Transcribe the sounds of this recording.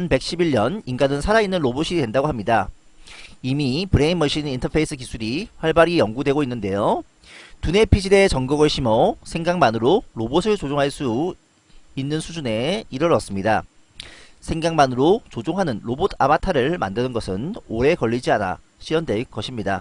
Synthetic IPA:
ʌnpe̞k̚ɕ͈ʰibiɭːʌniŋɡanɯnsʰaɾainːɯnɾoboɕʰiɾidwe̞ndaɡoɦamɲida | imipɯɾeinmʌɕ͈ʰinintʰʌpʰeis͈ʰɯk̬isʰuɾiɸwaɭbaɾijʌŋɡudwe̞ɡoinːɯnde̞jo | tune̞pʰid͡ʑide̞t͡ɕʌŋɡʌɡɯɭɕʰimʌsʰeŋɡaŋmanɯɾoɾobosʰɯɭt͡ɕod͡ʑoŋɦaɭs͈u | inːɯnsʰud͡ʑune̞iɾʌɾʌs͈ɯmɲida | sʰe̞ŋɡaŋmanɯɾot͡ɕod͡ʑoŋɦanɯnɾobotʰa̰matʰaɾɯɭma̰ndɯnɯnɡʌsʰɯnoɾe̞kʌʎːid͡ʑiana̰ | ɕʰiʌndwe̞ɭk͈ʌɕʰimɲida̰

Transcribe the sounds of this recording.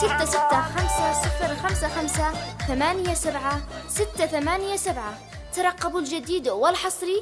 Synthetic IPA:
sɪt̪ːasɪt̪ːaxamsasɪfɾxamsaxamsaθamaːnjasabʕasɪt̪ːaθamaːnjasabʕa | t̪ɑɾˤɑqːɑbɪld͡ʒad̪iːd̪wɪlħɑsˤɾi

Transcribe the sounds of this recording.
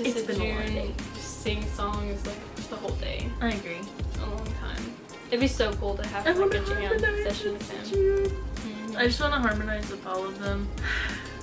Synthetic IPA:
ɨsðɨnuɪ̃d͡ʒʌstsĩɪ̃ŋsɔ̃ŋɨzlaɪkʌsðəhoʊlˠdḛɪaɪɨɡɹiʔə̰lɔ̃ŋtʰã̰ɪ̃m | ɨt̚bi̥soʊkʰulˠtʰɨɨvpɪ̃t͡ʃɪ̃ŋaəɛʃɨɨ̃nðəsæ̰̃n | aɪd͡ʒʌst̚wɑ̃nəɦɑɹmɨnaɪzɨθɔlˠʌvðə̃m

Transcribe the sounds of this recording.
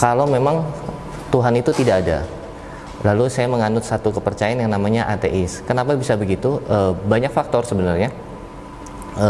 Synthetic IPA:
kalamemaŋ | t̪uɦanit̪ut̪idaːda̰ | lalusajaməŋanʊt̪sat̪ukəpərt͡ʃajaanjaŋnamaɲaʔat̪eʔɛskənapabisabəɡit̪uʔəbaɲak̚fak̚t̪ɔrsəbənarɲa | ə

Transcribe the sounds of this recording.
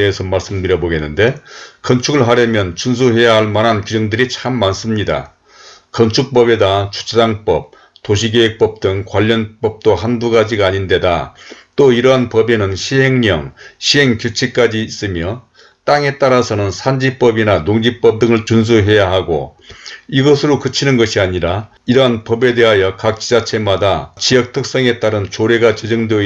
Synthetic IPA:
eːsʰʌmaɭs͈ɯmtɯɾjʌboɡe̞nːɯnde̞kʌnt͡ɕʰuɡɯɭɦaɾjʌmjʌnt͡ɕuns̬ʰuɦe̞jaɦaɭmanɦankid͡ʑʌŋdɯɾit͡ɕʰamːans͈ɯmɲida̰ | kʌnt͡ɕʰuk̚p͈ʌbe̞dat͡ɕʰu̥t͡ɕʰesaŋp͈ʌp̚ | toɕ̬ʰiɡeek̚p͈ʌp̚t͈ɯŋkwaʎːʌnp͈ʌp̚t͈oɦanduɡad͡ʑiɡaːɲinde̞da̰t͈oiɾʌɦanpʌbenɯnɕʰiɦe̞ŋɲʌ̰ŋɕʰiɦe̞ŋkjut͡ɕʰik͈ad͡ʑiːs͈ɯmjʌ | t͈aŋe̞t͈aɾasʰʌnɯnsʰand͡ʑip͈ʌbinanoŋd͡ʑip͈ʌp̚dɯŋɯɭt͡ɕuns̬ʰuɦe̞jaɦaɡo̰ | iɡʌsʰɯɾokɯt͡ɕʰinɯnɡʌɕʰiaɲiɾa | iɾʌɦanpʌbe̞de̞ɦajʌkak̚t͡ɕ͈id͡ʑat͡ɕʰe̞madat͡ɕijʌk̚tʰɯk̚s͈ʌŋe̞t͈aɾɯnt͡ɕoɾe̞ɡat͡ɕed͡ʑʌŋde

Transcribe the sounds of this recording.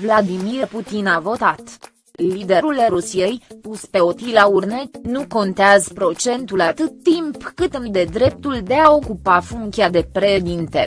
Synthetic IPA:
vlad̪imirput̪inavo̞t̪at̪ | lid̪e̞ɾuleɾusije̞jpuspe̞o̞t̪ijlaurnenuko̞nt̪eazpɾo̞t͡ʃe̞nt̪ulat̪ɨt̪ːimpkɨt̪ɨnd̪e̞d̪ɾe̞p̚t̪uld̪e̞ao̞kupafuŋkʲiad̪e̞pɾed̪int̪ḛ

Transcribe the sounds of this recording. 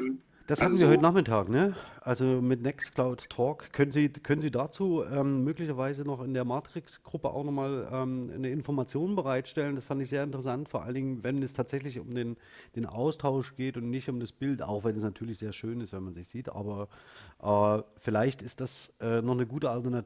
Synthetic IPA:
d̥ashatm̩n̩viːɐɦɔʏtənaχmɪtʰaːknəʔalzomɪtnɛksklaʊtʰːɔːkʰːœnənziːkʰœnənziːdaːt͡suːʔɛːmmøːklɪçɐvaɪzənɔχɪndeːɐmaːtʁ̥ɪksɡ̥ʁʊpə̰ʔa̰ʊxnɔχmaːlʔɛːmnəɪnfɔɐmat͡sjoːnbəʁ̞aɪtʃtɛləndasfandɪçzeːɐɪntəʁəsantfoːɐʔa̰ləndɪŋənvɛnɛstʰaːtz̥ɛç̬lɪçʊ̰mdeːn | d̥eːnʔa̰ʊstʰaʊʃɡ̥eːtʊntnɪçtʊmdasb̥ɪlta̰ʊxvɛnɛsnatʰyːɐlɪçz̥eːɐʃøːnɪstv̥ɛnmanzɪçz̥iːtʔa̰ːbɐʔɛːfɪlaɪçtɪst̚d̥asʔɛːnɔχnəɡuːtəaltɐna

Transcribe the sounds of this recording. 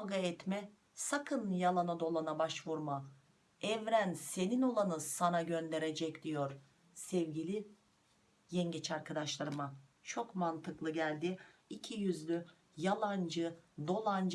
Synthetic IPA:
ɡaɛt̪mɛ | sakʰɯnjalˠanad̪o̞lˠanabaʃvuɾma | ɛvɾænse̞nino̞lˠanɯsanaɟø̞nd̪e̞ɾed͡ʒɛcd̪̥ijo̞ɾ | sɛvɟilʲi | jɛnɟet͡ʃʰaɾkʰad̪aʃlˠaɾɯma | t͡ʃʰo̞kmant̪ʰɯklˠɯɟælʲd̪ɪicʰijyzlʲy | jalˠand͡ʒɯd̪o̞lˠand͡ʒ

